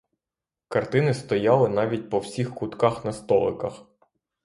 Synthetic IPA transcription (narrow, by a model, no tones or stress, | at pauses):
kɐrt̪ɪnɪst̪ɔjɑlˠɪn̪ɑʋʲit̚ʲpɔwsʲixkʊt̪kɑxnɐst̪ɔlˠɪ̰kɐ̰x